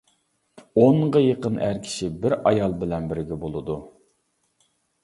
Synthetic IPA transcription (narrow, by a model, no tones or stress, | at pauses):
oɴʁɑjeqənʔæɾkʲʰi̥ʃibɪɾɑjɑlˠbɪlɛnbɪɾɡʲɛbolˠɨd̪u